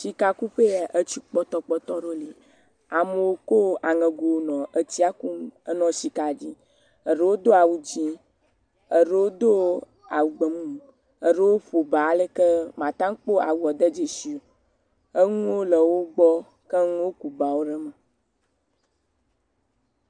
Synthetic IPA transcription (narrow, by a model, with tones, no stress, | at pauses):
si˨ka˨ku˦ɸe˦ja˨ʔə˦t͡ɕi˨k͡pɔ˦t̪ɔ˦k͡pɔ˦t̪ɔ˦ɖo˦li˨ | a˨mə˨wo˦ko˦a˨ŋə̃˨ɡo˨˦nɔ̃˨ʔə˦t͡ɕi˦a˦ku˦mə˦nɔ̃˨si˨ka˨d͡ʒi˦ | ə˨ɖə˨wo˦d̪o˦a˨wu˨d͡ʑĩ˦ | ə˨ɖe˦wo˦d̪o˦ | a˨wu˨ɡ͡bə˨mũ˦m | ə˨ɖe˦wo˦ɸo˨ba˨a˨le˦kə˦mã˨t̪ã˦ŋ˦k͡po˦a˨wu˨ɔ˨d̪ə˦d͡ʒe˨si˨o˨ | ə˦ŋũ˦wo˦lə˨wo˦ɡ͡bɔ˦ | ke˦ŋũ˦wo˦ku˨ba˨wo˦ɖɛ˦mə̃˨